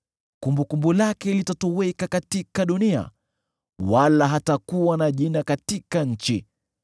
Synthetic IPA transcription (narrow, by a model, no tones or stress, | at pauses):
kumbukumbulakɛlitatɔwɛkakatikaɗunia̰ | walaɦatakuwanaʄinakatikaɲ̩t͡ʃi